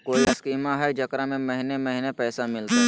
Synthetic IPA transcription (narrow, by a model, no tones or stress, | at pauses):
koːiɪskiːmaɦɛd͡ʒɐkɾamẽmɐɦɪnemɐɦɪnepɛːsamɪlt̪aɦ